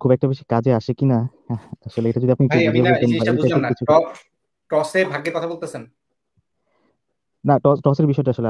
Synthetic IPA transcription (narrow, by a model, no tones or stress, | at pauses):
kʰubɛkʈabeʃikad͡ʑeaʃekina | aʃoleeʈad͡ʑod̪iapnikid̪ʱiebot̪enbaeɾekit͡ɕʰuɔ | ʈɔsebʱaɡekɔt̪ʰabolt̪esʰen | naʈɔsʈɔseɾbiʃɔeʈaaʃolea